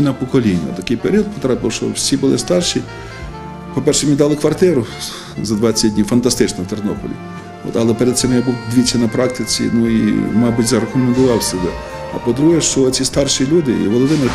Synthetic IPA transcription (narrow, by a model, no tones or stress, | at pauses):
nɐpɔkɔlʲinʲːɐ̰t̪ɐkɪjpeɾʲiɔd̪̚pɔ̥t̪ɾapɪwʃt͡ʃɔ̰wsʲibʊlˠɪ̰st̪ɑrʃi | pɔpɛrʃɛmʲnʲid̪ɑlˠɪkʋɐrt̪ɪɾʊ | zɐd̪ʋɑt͡sʲːɐdʲnʲiwfɐnt̪ɐst̪ɪt͡ʃnɔwt̪ernɔpɔ̰lʲḭ | ɔ̰t̪ɐlˠɛpeɾed̪̥̚sɪmjabuwd̪ʲʋʲit͡sʲːɐnɐpɾɑk̚t̪ɪt͡sʲḭnuḭmɑbʊtʲzɐɾɐkɔmend̪ʊʋɑwsebɛ | ɐ̰pɔd̪ɾuɦɛʃt͡ʃɔt͡sʲist̪ɑrʃilʲud̪ɪ̰ʋɔlˠɔd̪ɪmer